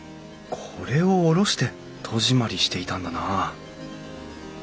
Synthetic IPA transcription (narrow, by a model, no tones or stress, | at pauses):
kʰoɾe̞o̞ːɾo̞ɕi̥t̪e̞ | t̪ʰo̞ʑimaɾʲiɕi̥t̪e̞it̪ãnd̪ana